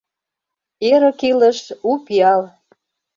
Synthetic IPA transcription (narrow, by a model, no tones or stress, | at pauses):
eɾə̆kilə̆ʃupiɑl